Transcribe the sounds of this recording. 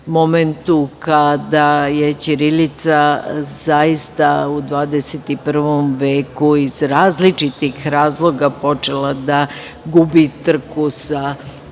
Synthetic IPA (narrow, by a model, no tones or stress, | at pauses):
mo̞ment̪ukad̪aje̞t͡ɕiɾilit̪sazajist̪aud̪ʋaːd̪eset̪ipr̩ʋomʋeːkuizɾaːzlit͡ʃit̪ixɾaːzlˠo̞ɡapo̞t͡ʃe̞lad̪a | ɡubit̪r̩kusa